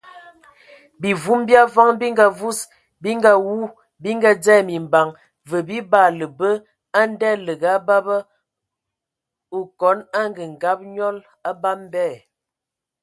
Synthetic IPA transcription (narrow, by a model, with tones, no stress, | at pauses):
bi˨vu˦mbja˦vɔ˦ŋbi˦ŋɡa˨vu˦s | bi˦ŋɡa˨wu˦ | bi˦ŋɡa˦d͡zɛ˦˨mi˨mba˨ŋ | və˨bi˦ba˦˨lə˨bə˦ | a˦n˦dɛ˦lə˨ɡa˨˦ba˦bə˦ | o˨kɔ˨˦na˦ŋɡə˨ŋ̩˨ɡa˨˦p̚ɲɔ˦l | a˦ba˦m˦bɛ˦˨